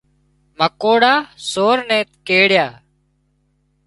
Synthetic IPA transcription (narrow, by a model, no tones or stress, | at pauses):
məkoːɽaːsoːɾnɛ̃ːt̪keːɽjaː